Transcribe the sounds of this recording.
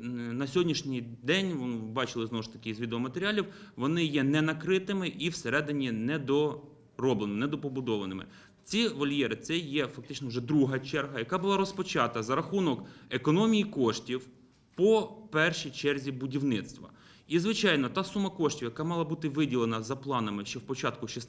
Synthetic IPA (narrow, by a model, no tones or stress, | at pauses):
nɐsʲɦɔdʲnʲiʃnʲijd̪ɛnʲʋɔbɑt͡ʃɪlˠɪznɔwʊʃt̪ɐ̥kɪizʋʲid̪eɔmɐt̪eɾʲalʲiwʋɔnɪjɛnɛnɐkɾɪt̪ɪmɪʔiwseɾɛd̪ɪnʲinɛd̪ɔ | rɔblˠenɪmnɛd̪ɔpɔbʊd̪ɔʋɐnɪmɪ̰ | t͡sʲiʋɐlʲjɛɾɪt̪sɛjɛfɐk̚t̪ɪt͡ʃnɔwʒɛd̪ɾuɦɐt͡ʃɛrɦɐjɐkɑbʊlˠɑɾɔspɔt͡ʃɑt̪ɐzɐɾɐxunɔkekɔnɔmʲijikɔʃtʲiw | pɔpɛrʃijt͡ʃɛrzʲibʊdʲiwnɪt̪st̪ʋɐ̰ | izʋɪt͡ʃɑjnɔt̪ɑsumɐkɔʃtʲiwjɐkɑmɑlˠɐbut̪ɪʋɪdʲilˠenɐzɐplˠɑnɐmɪʃt͡ʃɔwpɔt͡ʃɑt̪̚kʊʃis